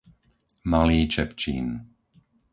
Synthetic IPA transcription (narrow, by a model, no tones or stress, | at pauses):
maliːt͡ʃɛpt͡ʃḭːn